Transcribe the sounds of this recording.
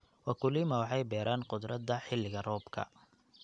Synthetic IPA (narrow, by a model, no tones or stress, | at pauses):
wɑkʰʊlɪmɐwɑħɑjbɛːɾʔaːnqʊd̪ɾɐd̪ɐħɪlːɪɣɐrɔːbkʰɐ̰